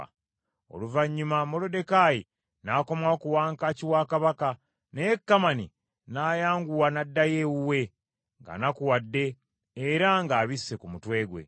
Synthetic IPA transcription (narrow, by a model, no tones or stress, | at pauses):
o̞̰luvaɲːumamo̞lo̞de̞kaji | naːko̞mwaokuwaːŋkaːciwaːkaβaka | nekːamani | najaːŋɡuwanadːajewuwe̞ | ŋɡa̰nakuwadːe̞ː | ɾaŋɡaːβisːe̞kumutwe̞ːɡwe̞̰